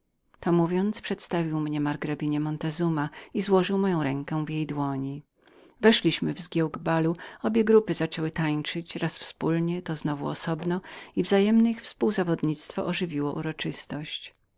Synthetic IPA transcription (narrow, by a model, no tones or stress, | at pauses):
t̪ɔmuvʲjɔnt̪spʂɛt̪st̪avʲiwmɲɛmaɾɡɾabʲiɲɛmɔnt̪ɛzumaizwɔʐɘwmɔjɔ̃w̃ɾɛŋkɛvjejd̪wɔɲi | vɛʂlʲiɕmɘvzɡʲjɛwɡbaluɔbʲjɛɡɾupɘzat͡ʂɛwɘt̪aɲt͡ʂɘt͡ɕɾasfspulɲɛt̪ɔznɔvṵɔ̰sɔbnɔivzajɛmnɛixfspuwzavɔd̪ɲit̪st̪fɔ̰ʔɔʐɘvʲiwɔʔuɾɔt͡ʂɘst̪ɔɕt͡ɕ